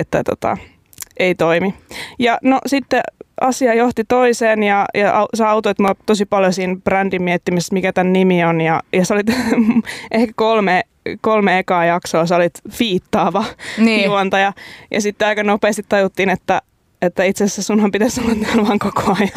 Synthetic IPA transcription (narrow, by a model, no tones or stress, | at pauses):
et̪ːæ̰t̪o̰t̪ɑ̰ | eit̪oimijɑnosit̪ːeɑsiɑjoht̪it̪oiseːnjɑjɑʔɑusɑɑut̪oit̪muɑlt̪osipɑljosiːnb̥rændimmiet̪ːimismikæt̪ænnimionjɑjɑsolit̪ | ʔehkæ̥kolme | kolmeekɑːjɑksoːsɑolit̪fiːt̪ːɑːʋɑnijiuʋɑnt̪ɑjɑjɑ̰sit̪ːeɑikɑnopeːst̪it̪t̪ɑjut̪ːiːnet̪ːæ | et̪ːæit̪sessesunhɑmpit̪æssunːɑt̪niolʋɑŋkokoɑjɑ